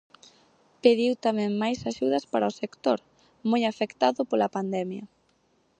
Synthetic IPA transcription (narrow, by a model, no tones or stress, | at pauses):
peðiwt̪amɛ̃ŋmajsaʃuðɐspaɾaosekt̪oɾ | mojafekt̪aðʊpolapand̪ɛmjɐ